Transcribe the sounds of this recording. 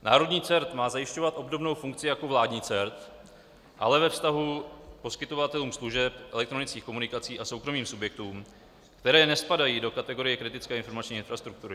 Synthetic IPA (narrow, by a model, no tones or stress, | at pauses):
na̰ːɾo̞dɲiːt͡sɛɾt̪maːzajɪʃco̞vat̪ʔo̞bdo̞bno̞wfuŋk̚t͡sɪjako̞vlaːdɲiːt͡sɛɾt̪ | ʔa̰lɛvɛfst̪aɦupo̞skɪt̪o̞vat̪ɛluːmsluʒɛpʔɛlɛk̚t̪ɾonɪt͡skiːxko̞munɪkat͡siːʔaso̞wkɾo̞miːmsubjɛk̚t̪uːm | kt̪ɛɾɛːnɛspadajiːdo̞kat̪ɛɡo̞ɾɪjɛkɾɪt̪ɪt͡skɛːɪnfo̞ɾmat͡ʃɲiːɪnfɾast̪ɾuk̚t̪uɾɪ